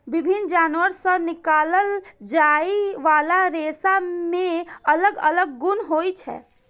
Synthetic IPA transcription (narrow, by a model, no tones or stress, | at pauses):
ʋɪbʱɪnd͡ʒaːnʋəɾsənɪkaːləld͡ʒaːiʋaːlaɾeːsamẽɐləɡɐ̰ləɡ̚ːʊnɦoːit͡ʃʰɛ̰ː